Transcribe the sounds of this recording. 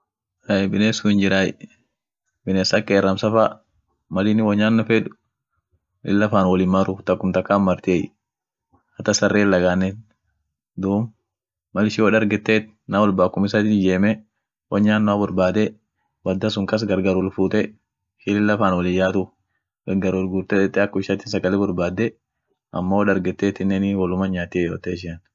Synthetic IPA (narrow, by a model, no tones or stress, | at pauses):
ɐbɪneːsʊhɪnd͡ʒɪɾaːj | bɪneːsakʼːeːɾːɐmsɐfa | mɐlɪnːɪwɐɲːaːnːɔfɛᶑʊ̥ | ʔɪ̰lːɐfaːnwɔlɪmːɐɾʊt̪ɐkːʊmt̪ɐkːaːmːɐɾt̪ɪeː | hɐt̪ɐsɐrːeːlːɐɡaːnːɛn | d̪uːm | mɐlɪʃɪɔᶑɐɾɡɛt̪ːeːt̪ | nɐwɔlbaːkːʊmɪsɐt̪ɪd͡ʒeːmɛ | wɐɲaːnːʊɐbʊɾbaːd̪ɛ | bɐd̪ːɐs̬ʊŋkɐs̬ɡɐɾɡɐɾɔlfuːt̪ɛ | ʃɪlɪlːɐfaːnwɔlɪjaːt̪ʊ | ɡɐɾɡɐɾɔlɡuːɾt̪ɛᶑ̪ɛt̪ːɛɐkːɔɪʃɐt̪ːɪsɐɡɐlɛbʊɾbaːd̪ːɛ | ʔɐ̰mːoːᶑɐɾɡɛt̪ːeːt̪ɪnːɛnɪwɔlʊmɐɲaːt̪ɪjoːt̪eːʃ̬ɪɐn